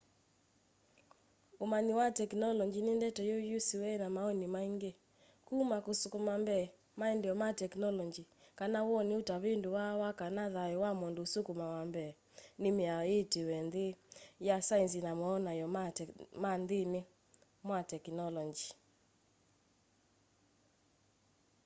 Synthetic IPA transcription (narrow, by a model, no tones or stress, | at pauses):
omaniwatɛknɔlɔɲd͡ʒinendɛtɔjɔjusiwɛnamaɔnimaiŋɡe | kumakosukumambɛː | maɛndɛɔmatɛknɔlɔnd͡ʒikanawɔneotaβendowawakanaðaɛwamondosukumawambɛː | nɪmeaɔetewɛndejasains̬inamɔːnajɔmandene | mwatɛknɔlɔɲd͡ʒi